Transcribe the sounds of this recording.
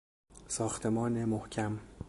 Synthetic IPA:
sɒːxt̪ʰe̞mɒːnemohcʲʰæm

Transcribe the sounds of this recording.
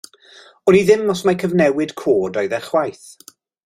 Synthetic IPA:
ɔniðɪmɔsmajkʰəvnɛwɪd̥kʰoːdɔjðɛrχwajθ

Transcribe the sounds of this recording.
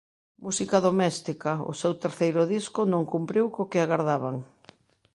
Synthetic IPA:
musikaðomɛst̪ikaʊ̰sewt̪eɾθejɾʊðiskʊnõŋkumpɾiwkokɪaɣaɾðaβaŋ

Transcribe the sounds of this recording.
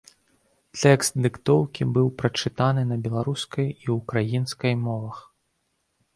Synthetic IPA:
t̪ʲɛkst̪̚d̪ɨkt̪ɔwkʲibɨwpɾɐt͡ʂɨt̪anɨnɐbʲɛlˠaɾuskɐjiukɾajinskɐjmɔvɐx

